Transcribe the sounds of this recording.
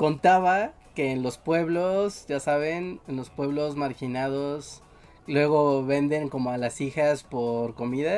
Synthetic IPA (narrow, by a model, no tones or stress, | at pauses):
ko̞nt̪aβa | ke̞ːnlo̞spwe̞βlo̞sʝasaβ̞e̞nenlo̞spwe̞βlo̞zmaɾxinaðo̞s | lwe̞ɣo̞βe̞nd̪e̞ŋko̞mo̞alasixaspo̞ɾko̞miða